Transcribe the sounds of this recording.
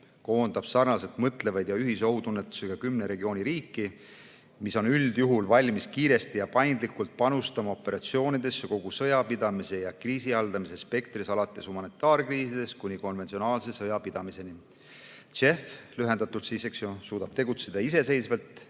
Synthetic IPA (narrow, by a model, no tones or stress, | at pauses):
ko̞ːnd̪̥ɑb̥sɑrnɑset̪ˑmɤt̪ˑle̞vɑjd̪jɑyɦiso̞ɦut̪unːet̪ːˑu̥seɡ̥ɑkymneɾe̞ɡio̞ːnʲiɾiːkːˑi | miso̞nyld̪̥juɦulvɑlʲmiskiːɾe̞st̪ijɑpɑjnd̪likult̪̚pɑnust̪ɑmɑo̞pːˑe̞ɾɑt̪sio̞ːnid̪̥e̞soko̞ɡ̥usɤ̞jɑpid̪̥ɑmise̞jɑkriːsiɑld̪ɑmise̞spe̞k̚t̪risɑlɑt̪ːˑe̞shumɑnit̪ːˑɑːrkriːsid̪̥e̞skunʲiko̞nvent̪sio̞nɑːlse̞sɤjɑpid̪̥ɑmise̞ni | t͡ʃe̞flyɦend̪ɑt̪ult̪siseksjosuːd̪̥ɑb̥t̪e̞ɡut̪se̞d̪ɑise̞se̞jsvelt̪